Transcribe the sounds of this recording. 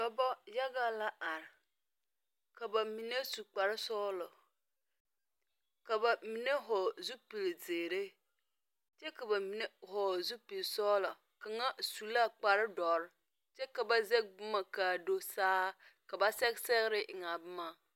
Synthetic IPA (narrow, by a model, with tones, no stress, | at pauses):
dɔ˨bɔ˦ja˦ɡa˦la˦ʔa˨ɾ | ka˨ba˨mi˨ne˦su˨k͡pa˨ɾɪ˦sɔː˦lɔ˨ | ka˨ba˨mi˨ne˦ɦɔ˨zu˦pi˨lzeː˨ɾe˦ | t͡ʃɛ˦ka˨ba˨mi˨ne˦hɔ˨zu˦pi˨lsɔ˦la˨ | ka˨ŋa˦su˨la˦k͡pa˨ɾɪ˦dɔ˨ɾ | t͡ʃɛ˦ka˨ba˦ze˦bʊ˦ma˨ka˨do˦saː˦ka˨ba˦sɛ˦ksɛ˦ɣɾɪ˦ʔɪ˨ŋa˨bʊ˦ma˨